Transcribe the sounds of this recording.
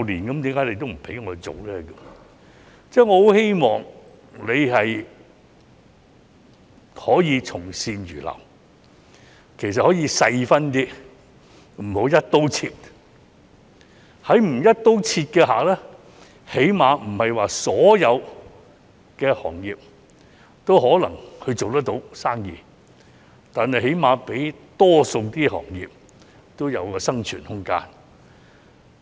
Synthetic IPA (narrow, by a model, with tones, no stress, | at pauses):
liː˨˩nkɐ˨˦mt̪iː˨˥ŋkaː˨˥jne˧jt̪o˥wm̩˨˩pʰe˨˥ŋɔː˨˧t͡so̰˨wlɛː˦kə˧˥ | t͡sɛː˥ŋɔː˨˧ho˨˥whe˥jmɔː˨˩ŋ | le˨˧jhɐ˨j | hɔː˨˥jiː˨˧t͡sʰʊ˨˩ŋsiː˧nɥyː˨˩lɐ̰˨˩w | kʰe˨˩js̬ɐ˨t̚hɔː˨˥jiː˨˧sɐ˧jfɐ˥nt̪iː˥ | m̩˨˩ho˨˥wjɐ˥t̚t̪o˥wt͡sʰiː˧t̚ | hɐ˨˥jm̩˨˩jɐ˥t̚t̪o˥wt͡sʰiː˧t̚kɛː˧ɦa̰ː˨k̚lɛː˥ | he˨˥jmaː˨˧m̩˨˩hɐ˨jwaː˨sɔː˨˥jɐ˨˧w | kɛː˧hɔː˨˩ŋjiː˨p̚ | t̪o˥wɦɔː˨˥lɐ̰˨˩ŋhɵ˧ɥt͡so˨wt̪ɐ˥t̪o˨˧˥wsaː˥ŋjiː˨ | t̪aː˨nhɐ˨jɦe˨˥jmaː˨˧pe˨˥jt̪ɔː˥so˧wt̪iː˥hɔ̰ː˨˩ŋjḭː˨p̚ | t̪o˥wjɐ̰˨˧wkɔː˧sɐ˥ŋt͡ʃʰy̰ː˨˩nhʊ˥ŋka̰ː˥n